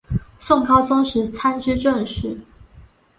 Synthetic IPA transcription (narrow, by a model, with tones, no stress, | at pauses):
sʊ˥˩ŋkʰɑ˥ʊt͡sʊ˥ŋʂɻ̩˧˥t͡sʰa˥nʈ͡ʂɻ̩˥ʈ͡ʂə˥˧nʂɻ̩˥˩